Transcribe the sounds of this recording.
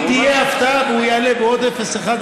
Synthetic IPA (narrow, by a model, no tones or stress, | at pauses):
t̪ieɐft̪abuːjaːlebɔːt̪efɐsɐxa